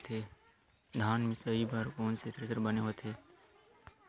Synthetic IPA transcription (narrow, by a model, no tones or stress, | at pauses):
t̪ʰeː | d̪ʱaːnmɪ̃səibaɾkoːnset̪ɾəsəɾbəneɦoːt̪ʰeː